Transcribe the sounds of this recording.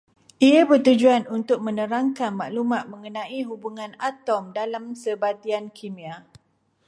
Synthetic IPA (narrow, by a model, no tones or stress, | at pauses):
ʔiabərt̪ud͡ʒuanunt̪ʊk̚mə̃nə̃ɾaŋkanmaʔlumãt̪̚mə̃ŋənãʔiɦubuŋãnat̪ɔmdalamsəbat̪iankʰimia